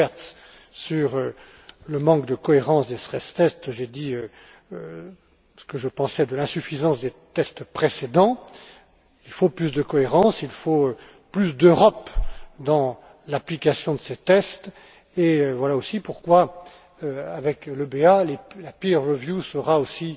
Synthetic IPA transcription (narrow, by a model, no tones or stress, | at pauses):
ɛʁt̪ | syʁø | ləmɑ̃k̚d̪əkɔeʁɑ̃sd̪est̪χɛst̪ɛst̪ʒed̪iø | sə̥kəʒəpɑ̃sɛd̪əlɛ̃syfizɑ̃sd̪et̪ɛst̪pχesed̪ɑ̃ | ilfoplysd̪əkɔeʁɑ̃silfoø | plysd̪øʁɔpd̪ɑ̃ | laplikasjɔ̃d̪əset̪ɛst̪ | eøvwalaosipuʁkwa | øavɛkləbealelapiʁːəvjusəʁaosi